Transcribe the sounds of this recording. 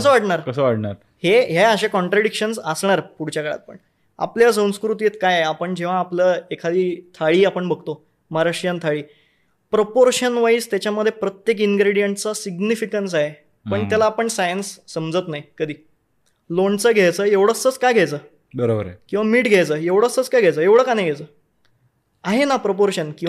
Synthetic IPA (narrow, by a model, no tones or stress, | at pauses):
kəs̬əʋaɽɳaɾkəsəʋaɽɳa̰ɾ | heɦeəɕekɔ̃ɳʈɾaɽikɕənsəsɳaɾpuɽ̤t͡ɕjakəɭa̰t̪̚pə̰ɳ | a̰pljas̬ənskɾut̪jet̪kajeapəɳd͡ʑeʋ̤aːpləːekʰad̪iːt̪ʰaɭiːapəɳbəɡʱt̪o | maɾaʂjənt̪ʰaɭiː | pɾopoɾɕənʋaiːst̪jat͡ɕjaməd̪ʱjepɾət̪jek̬iŋɡɾeɽijəɳʈt͡sasiɡnifikəns̬aɦe | pəɳt̪jalaːpəɳsajənsːəmd͡zət̪najkəd̪iː | loɳt͡səːɡʱajt͡səːeʋɽ̤əst͡sət͡skajɡʱajt͡səː | bəɾobə̰ɾkĩw̃ʋamiːʈɡʱjajt͡səːeʋɽ̤əst͡sət͡skajɡʱajt͡səːeʋɽ̤əːkanajɡʱet͡səː | aɦenapɾopoɾɕənkĩ